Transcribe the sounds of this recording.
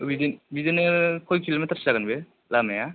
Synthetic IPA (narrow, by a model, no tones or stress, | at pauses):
bidenbidenɯkʰɔjkʰilometʰaɾsi̥aɡanbe | lameja